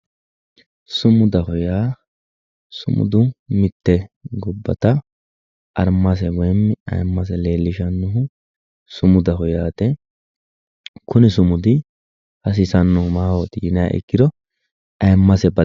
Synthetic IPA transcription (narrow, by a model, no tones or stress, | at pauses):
sʊmʊd̪ɐhʊjaː | sʊmʊ̰d̪ʊmɪt̪ːɛɡʊbːɐt̪ɐ | ʔɐɾmːɐs̬ɛwɔjɛmːɪɐ̰jmːɐs̬ɛle̞ːlːɪʃɐnːʊɦʊ | sʊmʊd̪ɐɦɔjaːt̪ɛ | kʊnɪsʊmʊd̪ɪ | hɐs̬ɪsɐnːʊhʊmaːwɔt̪jɪna̰ːʔɪ̰kːɪd̪ɔ | ɐjmːɐsɛbɐ